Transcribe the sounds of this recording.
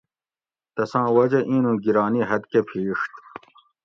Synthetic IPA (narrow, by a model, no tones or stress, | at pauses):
t̪ɐsãːwɐd͡ʑɐʔĩːnũːɡiɾaːniɦɐd̪kepʰiːʂt̪